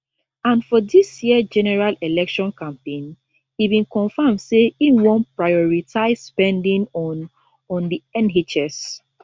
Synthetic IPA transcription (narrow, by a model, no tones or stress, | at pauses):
ãnfɔdisjiəd͡ʒɛnɛɹalelɛkʃɔ̃nkãmpẽn | hibĩnkɔ̃nfamdseĩnwɔ̃npɹaɪɔɹitʰaɪsspɛ̃ndĩnɔ | ɔ̃ndiɛ̃nɦit͡ʃɛs